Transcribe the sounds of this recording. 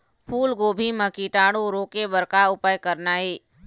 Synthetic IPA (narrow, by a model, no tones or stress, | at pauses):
pʰuːlɡoːbʱiməkiʈaːɽ̃oɾoːkebəɾkaʊpaːjkəɾnaːeː